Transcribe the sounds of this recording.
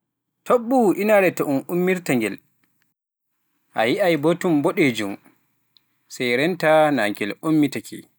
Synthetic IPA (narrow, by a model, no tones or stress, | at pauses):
toɓːuʔinaɾɛtɔʔunumːiɾtaŋɡɛl | ʔajiʔajbotumbɔɗɛd͡ʒum | sajɾɛntanaŋkɛlʔomːitakʰḭ